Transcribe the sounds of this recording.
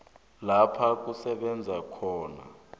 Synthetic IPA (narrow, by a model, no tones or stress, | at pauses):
lapʰak̬ʼusɛɓɛnd͡zʱakʰɔːna̰